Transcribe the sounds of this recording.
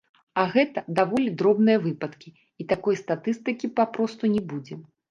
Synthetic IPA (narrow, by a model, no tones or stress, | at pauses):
ɐɣɛt̪ɐd̪avɔlʲid̪ɾɔbnɨjɐvɨpɐt̪kʲi | it̪akɔjst̪at̪ɨst̪ɨkʲipapɾɔst̪unʲɛbud͡zʲɛ